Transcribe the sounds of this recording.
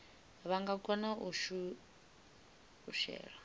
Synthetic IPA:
βaŋɡakʼɔnaʔuʃu | uʃɛ̰ːɺa

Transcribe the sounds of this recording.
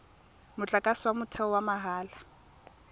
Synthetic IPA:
mʊt͡ɬʼakʼaswamʊtʰɛɔwamaɦaːla

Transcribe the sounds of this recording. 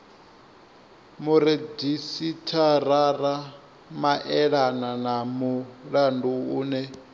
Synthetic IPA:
muɾedisitʰaɾaɾa | maʔɛɺananamuɺanduuːnɛ

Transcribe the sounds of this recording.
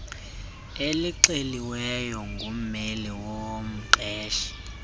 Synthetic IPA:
eliǀeliwɛjɔŋɡʱum̩meliwom̩ǃɛːʃi̥

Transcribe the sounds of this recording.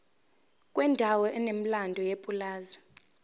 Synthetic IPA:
kʼwɛndʱawɔɛnem̩landʱɔjepʼulaːza

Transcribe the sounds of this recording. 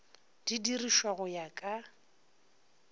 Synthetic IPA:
d̥idiriʃwaɣʊjakʼa

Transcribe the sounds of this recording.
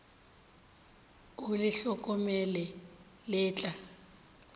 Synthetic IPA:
ʊlɪɬɔkʼɔmɛlɛ | lɪːt͡ɬʼa

